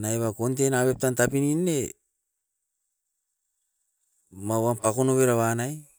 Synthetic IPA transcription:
naeβakont̬e̞naβe̞p̚tantapininːe̞ | mawampako̞no̞βe̞ɾaβanaj

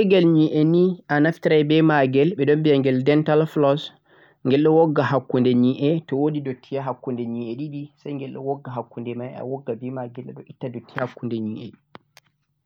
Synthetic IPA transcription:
ɛɡɛlɲiʔɛniʔanaftiɾajbɛmaɡɛlɓɛɗɔmbijaŋɡɛldɛntalflɔs | ŋɡɛlɗɔwɔɡːaɦakːundɛɲiʔɛtɔwodidotʰːijaɦakːundɛɲiɛɗiɗisajŋɡɛlɗɔ̰wɔɡːaɦakːundɛmaja̰wɔɡːabɛmaɡɛlɛ̰ɗɔʔitːadotːiahakːundɛɲiʔɛɗ

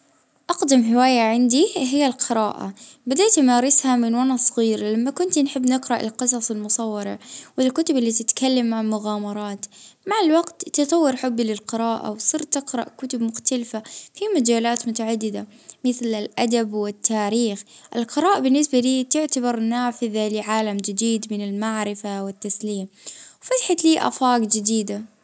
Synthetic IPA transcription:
ʔɑqd̪amɦɪwaːjaʕɪnd̪iɦɪjːalqɪɾaːʔa̰bad̪aːt̪maːɾɪshamɪnwanasˤɣiːɾlamːakʊnt̪nħɪbːnɪqɾɑʔɪlqɨs̬ˤɑsˤɪlmʊsˤɑwːɑɾɑ̰ʕwɪlkʊt̪ʊbɪlːiːt̪ɪt̪kalːamːaʕalmʊɣaːmɑɾˤɑːt̪maʕalwaɡt̪ːɨt̪ˤɑwːɪɾħʊbːlɪlqɪɾɑːʔa̰wsˤɨɾt̪ɪqɾˤɑ̰ʔkʊt̪ʊbmʊxt̪alfafimad͡ʒaːlaːt̪mʊt̪aʕad̪ːɪd̪a | mɪθlɪlʔad̪abwɪt̪ːaːɾiːxʔɪ̰lqɪɾɑːʔabɪnːɪsbaliːt̪ɪʕt̪abɑɾˤnaːfɪðalɪʕaːlamd͡ʒɪd̪iːd̪mɪnɪlmaʕɾɪfawɪt̪ːasliːmwfat̪ħat̪liːʔa̰fɑːɡd͡ʒɪd̪iːd̪a

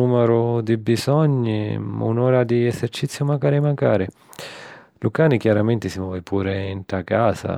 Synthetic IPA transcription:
uːmɛɾʊd̪ibizɔɲːima̰unɔːɾad̪iɛzɛrt͡ʃit̪sːjʊmakaːɾɪmaŋkaːɾɪ | lukaːnikjaɾament̪ɪsimɔːvɪpʰuːɾɪint̪akaːza̰

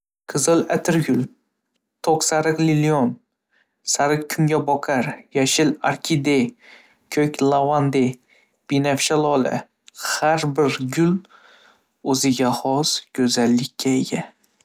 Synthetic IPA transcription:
qʰɨzɨlat̪ʰɪɾɡʲʊl | t̪ʰoqsaɾɨqlɪlion | saɾɨqkʲʰʊŋɡʲabɒqʰaɾjaʃɪla̰ɾkʲʰid̪ej | kʲʰɵkʲlˠavand̪e | b̥inafʃalˠɒlɪ̰ | haɾbɪɾɡʲʊl | ɵzɪɡʲahɒzɡ̥ʲɵzalːɪkʲʰːaeɡʲa

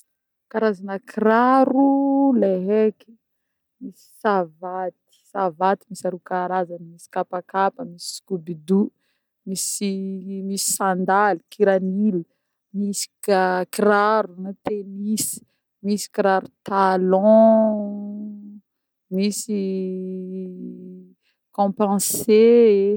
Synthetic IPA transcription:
kaɾazanəkʰiraɾuleɦeki̥ | misi̥savat̪i̥savat̪imisaɾukaɾazanmisi̥kapakapəmisi̥skubid̪u | misimisi̥sãnd̪alikʰiɾanili | misi̥kakiraɾunut̪emisi̥ | misi̥kiɾaɾut̪alɔ̃ | misi | kɔ̃pɑ̃se

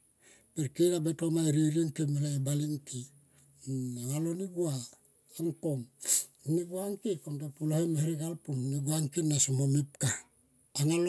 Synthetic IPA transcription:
peɾkiɾabetomaɾiɾiŋkemelaebaliŋkʰi | aŋaloniɡua | aŋkom | niɡuaŋkikomtapulohemeheɾiɡalpumniɡuaŋkinːasomomip̚kaː | ŋal

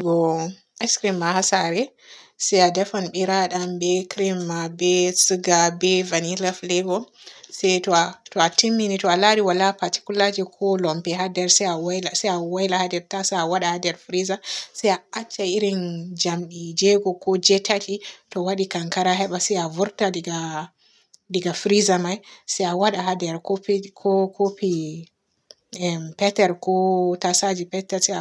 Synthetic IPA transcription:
ɡɔ | ɛskɾimːahasaɾɛ | sɛjadɛfɔnɓiɾaɗambɛkɾimːabɛsɨɡabɛvanilaflɛɡɔsɛjtɔtɔatimːinitɔalaɾiwalapaɾti̥kulad͡ʒɛkʰɔlɔmpɛɦadɛɾsɛawjlasɛjawajlahadɛɾtasaawaɗahadɛɾfɾizasɛjaat͡ʃːaiɾind͡ʒamɗid͡ʒɛɡɔkɔd͡ʒɛtatʰitɔwaɗikaŋkaɾaɦɛɓasɛjavuɾtadiɡa | diɡafɾizamajsɛjawaɗaɦadɛɾkopikʰɔkʰopi | ɛpɛtɛɾkɔtasad͡ʒipɛtɛɾsɛa

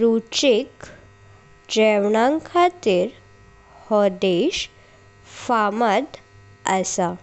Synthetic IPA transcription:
ɾut͡ɕik | d͡ʑɛʋɳãŋkʰat̪iːɾ | hɔd̪eɕ | faməd̪ | əsa

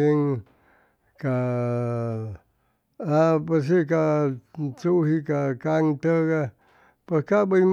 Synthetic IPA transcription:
iŋ | ka | apes̬ik̬a | t͡suɦikakaŋt̪əɡa | peskabəjm

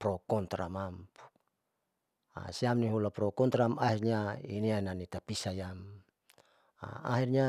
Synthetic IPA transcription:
pɾɔkɔnt̪ɾamampu̥ | a̰siamniɦulapɾɔkɔnt̪ɾamaɦirɲainiananit̪apisajam | a̰a̰ɦirɲa

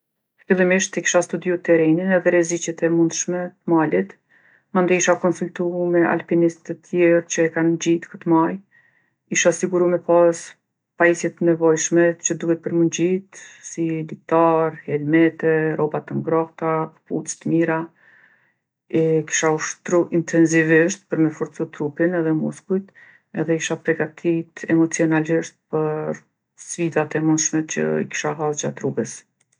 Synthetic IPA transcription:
filˠimiʃt̪ɛki̥ʃast̪ud̪iut̪ɛɾɛninɛðɛɾɛzit͡ɕɛt̪ɛmund̪ʃmɛt̪əmalit̪ | mand̪ɔiʃakɔnsult̪umɛa̰lpinist̪ət̪ʰjɛɾt͡ɕəɛkand͡ʑit̪kə̥t̪maj | iʃasiɡuɾumɛpas | paisjɛt̪ːənɛvɔjʃmɛt͡ʃəd̪uhɛt̪̚pəɾmənd͡ʑit̪silit̪aɾɛlmɛt̪ɛɾʔɔbat̪əŋɡɾɔht̪apəputt̪əmiɾa | ɛki̥ʃauʃt̪ɾuʔint̪ʰɛnsiviʃt̪̚pəɾmɛfɔɾt͡sut̪ɾupinɛðɛmuskujt̪ | ɛðɛkiʃapɾɛɡat̪ʰit̪ɛmɔt͡siɔnaliʃt̪̚pəɾ | sfid̪at̪ɛmunʃmɛt͡ɕə̰ḭki̥ʃaɦad͡ʒat̪ɾuɡəs

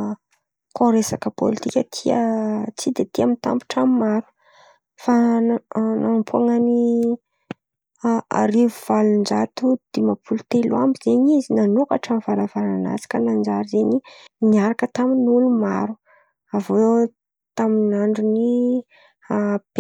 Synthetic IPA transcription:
koɾesakəpo̰lit̪ikʲət̪ʰiət͡sid̪et̪iamint̪a̰mpu̥ʈ͡ʂammaɾu̥ | fa | napʰuaŋani | a̰ɾivuv̥alund͡ʒat̪ud̪̥emapʰulut̪eluambizeɲizinanokaʈ͡ʂamv̥alavalana̰si̥kʲənand͡ʒaɾizeɲiniaɾakət̪aminuluma̰ɾu | avoe | t̪aminaɳɖ͡ʐuni | ab̥

